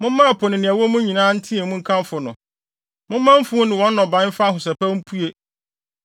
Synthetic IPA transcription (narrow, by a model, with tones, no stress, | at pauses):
mʊ̃˦m˦mã˦˨pʰɔ˨nɪ̃˨nɪ̃˨æ˨wo˦mʊ̃˦ɲĩ˨nãː˦n̩˦tʰĩ˦e˨mʊ̃˦ŋ̩˦kʰã˦m˦fʊ˨nʊ̰̃˨ | mʊ̃˦mːã˦m̩˦fũ˦nɪ̃˨wɔ̃˦nː˦ɔ̃˨bã˨˦fa˦ɦʊ˨sɛ˨pæ˦m̩˦pʰu˦e˦